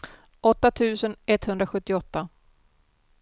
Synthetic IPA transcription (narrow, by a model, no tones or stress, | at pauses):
ʔɔt̪ːat̪ʰʉ̟ːsənɛt̪ːhɵnd̪ɾaɧɵt̪ːɪɔt̪ːa